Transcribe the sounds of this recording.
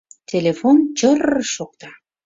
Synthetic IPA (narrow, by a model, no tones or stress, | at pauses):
t̪ʲʰelʲefont͡ɕərʃok̚t̪ɑ